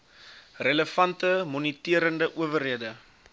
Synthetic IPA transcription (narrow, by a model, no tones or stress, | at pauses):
rələfɐntəmɔnitiəɾəndəʔuəvərɦiədə